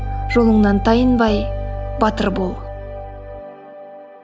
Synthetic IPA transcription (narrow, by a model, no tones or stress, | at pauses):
ʒ̥o̞lˠəɴnɑnt̪ʰɑjənbɑjbɑt̪əɾbolˠ